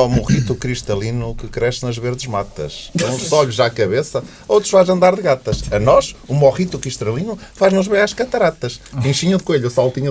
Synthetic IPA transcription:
ɔmuʁit̪ukɾiʃt̪ɐlˠinukɨkɾɛsnɐʒβeɾðʒmat̪ɐ̰ʃũsɔʎuʒakɐβesɐ | owt̪ɾuʃfazɐ̃nd̪aɾðɨɣat̪ɐʃɐnɔʃumɔʁit̪ukɾiʃt̪ɾɐlˠinufaʒnuʒβẽj̃aʃkɐt̪ɐɾat̪ɐʃpĩʃiɲuðɨkweʎusalˠt̪iɲu

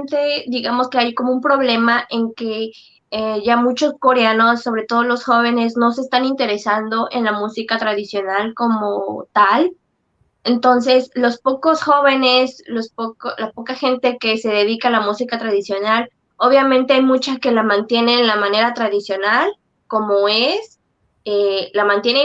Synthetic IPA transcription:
nt̪e̞d̪iɣamo̞skeajko̞moumpɾo̞βle̞maʔeŋke̞ | eʝamut͡ʃo̞sko̞ɾeano̞sːo̞β̞ɾe̞t̪o̞ð̞olo̞sxo̞β̞e̞ne̞sno̞s̬est̪anint̪e̞ɾe̞sand̪o̞ʔenlamusikat̪ɾaðisjo̞nalko̞mot̪al | ent̪o̞ns̬e̞slo̞spo̞ko̞sxo̞βe̞ne̞slospokolapo̞kaxe̞nt̪e̞ke̞se̞ðe̞ðikaalamusikat̪ɾaðisjo̞nal | o̞βjamẽnt̪e̞ajmut͡ʃaske̞lamãnt̪je̞nenlamãne̞ɾat̪ɾaðisjo̞nal | ko̞moes | elamãnt̪je̞ne

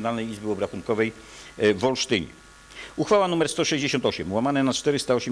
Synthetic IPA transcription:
nalnɛjizbɘɔbɾaxunkɔvɛj | vɔlʂt̪ɘɲɛ̰ | uxfawanumɛɾst̪ɔʂɛʑd͡ʑeɕɔnt̪ɔɕɛmwamanɛnat͡ʂt̪ɛɾɘst̪aɔɕɛm

